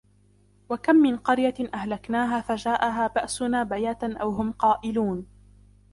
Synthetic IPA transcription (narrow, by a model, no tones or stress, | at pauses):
wakamːɪnqɑɾjaʔahlaknaːɦaːfad͡ʒaːʔaɦaːbaʔsʊnaːbajat̪anʔawɦʊmqɑːʔɪluːn